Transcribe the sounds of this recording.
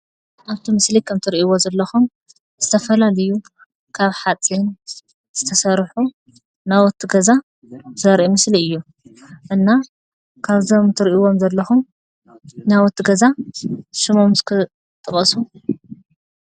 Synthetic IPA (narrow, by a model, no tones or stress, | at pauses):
ʔaβt̪ʰimɨslikʰɐmt̪ʰɨɾiʔiwozɐlːɐxum | z̥ɨt̪ʰɐfɐlalɐju | kʰaβħat͡sʼin | z̥ɨt̪ʰɐsɐɾħu | nawɔt̪ʰːɨɡɐza | zɐɾʔimɨsliɨjːu | ʔɨnːa | kʰaβzomt̪ʰɨɾiʔiwo̞mzɐlːɐxum | nawɔt̪ʰːɨɡɐzaʃɨmomzɨkʰɨ | t̪ʼɨkʼɐsu